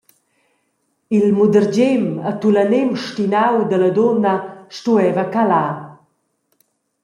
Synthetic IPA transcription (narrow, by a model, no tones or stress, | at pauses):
ilmud̪əɾd͡ʑemat̪ulanemʃtinawd̪ələd̪onəʃtuɛvəkala